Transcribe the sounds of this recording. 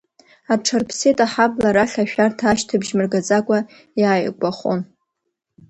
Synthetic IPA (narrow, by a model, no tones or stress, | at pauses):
aʈ͡ʂʰarpʰsetʼaħablaɾaɬʲaʃᶣartʰaaʃtʰɨbʒmɨrɡad͡zʼakʷʼa | jaːjɡʷʼaχo̰n